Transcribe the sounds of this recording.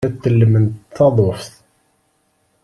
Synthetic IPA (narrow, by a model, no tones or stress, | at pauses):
æt̪ːəlːəmənt̪θɑðˤofθ